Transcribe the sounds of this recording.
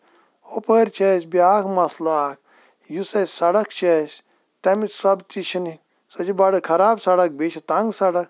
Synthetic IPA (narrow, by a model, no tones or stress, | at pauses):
opəːɾʲt͡ʃesbiaːkʰmɐsloaːk̚ʰ | jusɐsɐɽɐkt͡ʃesʲ | t̪ɐmisɐbt͡ʃit͡ʃʰini | sɐt͡ʃʰibɐɽɨkʰɐɾaːbsɐɽɐk̚bit͡ʃʰit̪ɐŋɡsɐɽɐk